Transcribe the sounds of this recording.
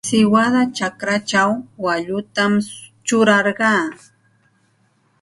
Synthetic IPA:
sɪwad̪at͡ʃakɾat͡ʃawːaʎʊt̪amt͡ʃʊɾɑɾɢɑː

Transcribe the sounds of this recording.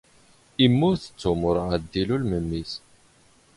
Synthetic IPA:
imːʊɾθə̥t͡sːumʊɾˤʕad̪ːilulməmːis

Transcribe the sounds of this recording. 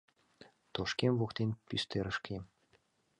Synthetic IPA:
t̪oʃkʲemvuxt̪ʲenʲpʲyst̪eɾɤ̆ʃkʲʰi

